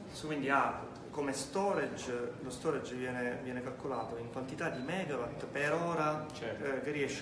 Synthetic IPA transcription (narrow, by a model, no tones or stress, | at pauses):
skwind̪ia | komest̪ɔːɾed͡ʒlost̪ɔːɾad͡ʒvjɛːnevjɛːnekalkolaːt̪oiŋkwant̪it̪ad̪ːimɛːɡavat̪ːpeɾoːɾat͡ʃk̟erːiɛʃː